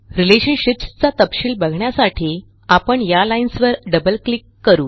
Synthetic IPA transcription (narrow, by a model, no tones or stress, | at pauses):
ɾileɕəɳɕipst͡sat̪əpɕiːlbəɡʱɳjasaʈʰiː | apəɳjalainsʋəɾɖəbəlklikːəɾuː